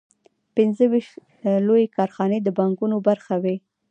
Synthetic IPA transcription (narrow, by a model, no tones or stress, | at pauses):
pɪnzəwiʃt̪ | lojekɑɾxɑned̪əbɑŋɡunobaɾxawe